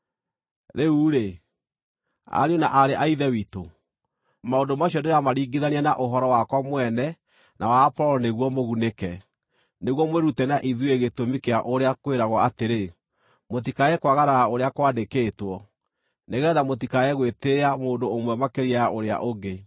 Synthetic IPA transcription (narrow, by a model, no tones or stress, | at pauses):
ɾeuːɾe | a̰ɾjonaʔaɾeʔaiðɛwito | maondomaɕɔndeɾamaɾiːɡiðanianaʔoɦɔɾɔwakwamwɛnɛ | nʔawaːpɔɾɔneɣwɔmoɣunekɛ | neɣwɔmweɾutɛnaʔiðueɣetomikeaʔoɾeakweɾaɣwɔateɾe | mot̬ikaɛkwaɣaɾaaoɾeakwadekeːtwɔ | neɣɛðamot̬ikaɛɣweteamoːndoːmwɛmakeɾiaaʔoɾea̰ʔoɡe